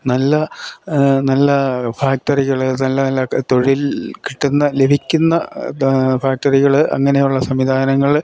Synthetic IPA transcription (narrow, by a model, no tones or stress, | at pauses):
nɐlːɐ | nɐlːɐfaːk̚tɐriɣɐɭɨnɐlːɐnɐlːɐt̪o̞ɻilkiʈːunːɐle̞bʱikʲːunːɐ | faːk̚tɐriɣɐɭʔɐ̰ŋːɐne̞juɭːɐsɐmʋid̪ʱaːnɐŋːɐɭ